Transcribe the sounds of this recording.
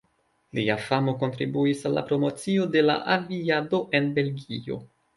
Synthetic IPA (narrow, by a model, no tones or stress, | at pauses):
liafamoko̞ntɾḭbuisalːa̰pɾo̞mo̞t͡sio̞de̞la̰ʔaviado̞ʔe̞nbe̞lɡio̞̰